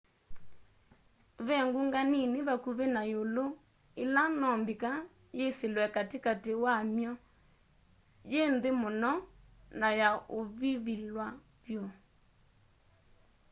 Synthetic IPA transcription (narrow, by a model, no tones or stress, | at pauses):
βɛŋɡuŋɡanineβakuβenajolo | elanɔmbika | jeselwɛkatikatewamjɔ | jendemonɔ | najaoβiβilwa | vjɔ